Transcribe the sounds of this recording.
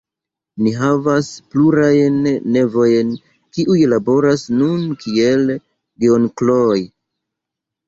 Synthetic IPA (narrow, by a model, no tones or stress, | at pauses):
niɦavaspluɾajnːe̞vo̞jn | kiʔujlabo̞ɾasnunkʰie̞l | ɡeonkloj